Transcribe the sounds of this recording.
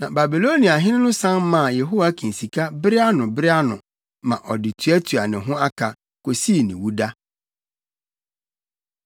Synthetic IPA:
nã˨ba˨bi˨lo˦nĩ˨a˨ɦɪ̃˦nɪ̃˦nʊ̃˦sã˦nmã˦˨je˨ɦo˦wa˦kʰĩ˨n̩˨si˨kʰa˦bɪ˦ɾɪ˦a˦nʊ̃˨bɪ˦ɾɪ˦a˦nʊ̰̃˨ | mã̰˨ʔɔ˨dɪ˨tʰu˨˦æ˦tʰu˨a˨nɪ̃˨ɦʊ̃˦a˦kʰa˨ | ko˨si˦˨nɪ̰̃˨wu˦da˦

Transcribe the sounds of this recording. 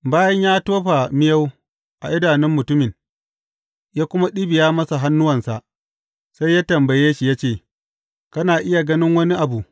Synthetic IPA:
baː˦jɐ˦ɲjaː˦toː˦ɸa˨mɪ˦ja˦w | ʔa˨ʔɪ˦daː˨nɪ˦mːʊ˨tʊ˦mɪ˨ŋ | jaː˦kʷʊ˦ma˦ɗi˦bɪ˨jaː˦mɐ˦sa˨ɦa˦nːʊ˦wɐ˨nsa˨ʔ | sa˦jːaː˦tɐ˨mbɐ˨jeː˦ʃi˨ja˦t͡ʃeː˦˨ | kɐ˦naː˨ʔɪ˦ja˨ɡɐ˦nɪ˦ŋwɐ˦ni˦ʔa˨bu˨

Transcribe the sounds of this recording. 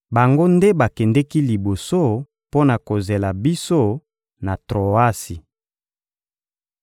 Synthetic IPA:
ba˨ŋɡo˦nde˦ba˨kɛ˨ndɛ˦ki˦li˨bo˨so˦ | po˦na˨ko˨ze˨la˨bi˦so˦ | na˨tʁo˨a˦si˨

